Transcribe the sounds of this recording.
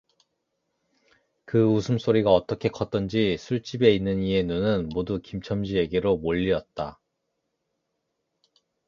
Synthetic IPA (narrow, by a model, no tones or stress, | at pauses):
kɯusʰɯms͈oɾiɡaʌt͈ʌkʰe̞kʰʌt͈̚ʌnd͡ʑisʰuɭt͡ɕ͈ibe̞inːɯnie̞nunɯnmodukimt͡ɕʰʌmd͡ʑie̞ɡeɾomoʎːiʌt̚t͈a